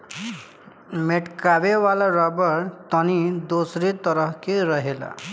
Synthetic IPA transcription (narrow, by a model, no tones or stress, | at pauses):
meʈkabewalaɾɔbɔɾt̪ɔnid̪osɾit̪ɔɾɔɦkeɾɔɦela̰